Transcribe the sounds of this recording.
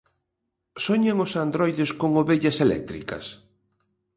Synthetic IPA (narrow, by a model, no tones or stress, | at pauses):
soɲaŋʊsand̪ɾojðɪskoŋoβeʎɐselɛ̰k̚t̪ɾḭkɐ̰s